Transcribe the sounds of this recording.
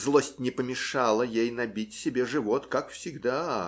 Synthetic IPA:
zlˠosʲtʲnʲɪpəmʲɪʂalˠəjejnɐbʲitʲsʲɪbʲeʐɨvo̞t̪kakfsʲɪɡd̪a

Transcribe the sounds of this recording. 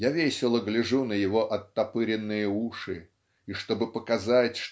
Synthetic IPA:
javʲesʲɪlˠəɡlʲɪʐunəjɪvo̞ʔɐt̪ːɐpɨɾʲɪnːɨjəuʂɨ | iʂt̪o̞bɨpəkɐzatʲʂ

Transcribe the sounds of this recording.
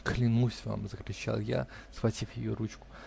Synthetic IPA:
klʲɪnusʲva̰mzəkɾʲɪt͡ɕa̰lˠja̰ | sxvɐtʲifjɪjoɾut͡ɕkʊ̥

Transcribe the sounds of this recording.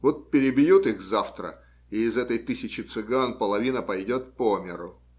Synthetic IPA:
vot̪̚pʲɪɾʲɪbʲjut̪ixzaft̪ɾə̰ | ɪɪzɛt̪əjt̪ɨsʲɪt͡ɕɪt̪sɨɡanpəlˠɐvʲinəpɐjdʲo̞t̪̚pomʲɪɾʊ

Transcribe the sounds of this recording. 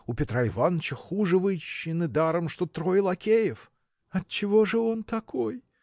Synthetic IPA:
ʊpʲɪt̪ɾaɪvant͡ɕəxuʐɨvɨɕːɪnɨd̪aɾəmʂt̪ot̪ɾoɪlˠɐkʲejɪf | ɐt̪̚t͡ɕɪvo̞ʐɨo̞nt̪ɐkʰoj

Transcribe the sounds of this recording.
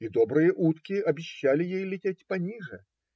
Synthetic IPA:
id̪ɔbɾɨjɐʔut̪kʲiɐbʲɪɕːalʲɪjejlʲɪtʲetʲpɐnʲiʐɛ̰

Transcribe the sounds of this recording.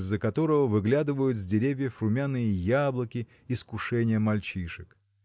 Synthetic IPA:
zːəkɐt̪o̞ɾəvəvɨɡlʲad̪ɨvəjʊt̪zʲdʲɪɾʲevʲjəfɾʊmʲanɨjəjablˠəkʲɪ | ɪskʊʂɛnʲɪjəmɐlʲt͡ɕiʂɨk

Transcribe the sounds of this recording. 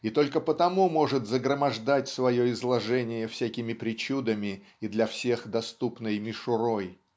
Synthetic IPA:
it̪o̞lʲkəpət̪ɐmumo̞ʐɨt̪zəɡɾəmɐʐd̪atʲsvɐjoɪzlˠɐʐɛnʲɪjəfsʲækʲɪmʲɪpɾʲɪt͡ɕud̪əmʲɪː | d̪lʲɐfsʲe̞xd̪ɐst̪upnɨjmʲɪʂʊɾo̞j

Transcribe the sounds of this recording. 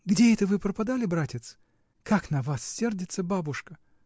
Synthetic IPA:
ɡdʲeɛt̪əvɨpɾəpɐd̪alʲɪbɾatʲɪt̪s | kaknɐvasːʲerdʲɪt̪səbabʊʂkə

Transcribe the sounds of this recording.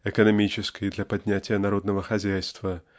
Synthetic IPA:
ɛkənɐmʲit͡ɕɪskəjd̪lʲɐpɐdʲnʲætʲɪjənɐɾo̞d̪nəvəxɐzʲæjst̪və

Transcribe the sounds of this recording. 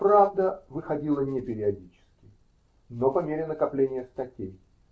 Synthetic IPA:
pɾavd̪əvɨxɐdʲilˠənʲɪpʲɪɾʲɪɐdʲit͡ɕɪ̥skʲɪ | nopɐmʲeɾʲɪnəkɐplʲenʲɪjəst̪ɐtʲej

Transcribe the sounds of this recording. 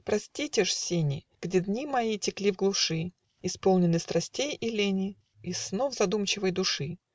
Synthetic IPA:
pɾɐsʲtʲitʲɪʂsʲenʲɪ | ɡ̥dʲɪd̪nʲimɐjitʲɪklʲivɡlˠʊʂɨ | ɪspolˠnʲɪnːɨst̪ɾʔɐsʲtʲejɪlʲenʲɪ | ɪsnovzɐd̪umt͡ɕɪvəjd̪ʊʂɨ

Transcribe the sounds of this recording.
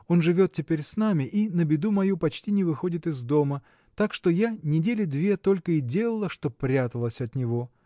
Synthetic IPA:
o̞nʐɨvʲo̞t̪tʲɪpʲeɾʲsnamʲɪʔinəbʲɪd̪umɐjupɐt͡ɕtʲinʲɪvɨxo̞dʲɪt̪ɨzd̪o̞mə | t̪akʂt̪o̞janʲɪdʲelʲɪd̪vʲe̞t̪o̞lʲkəɪdʲe̞lˠəlˠəʂt̪o̞pɾʲat̪əlˠəsʲɐt̪nʲɪvo̞

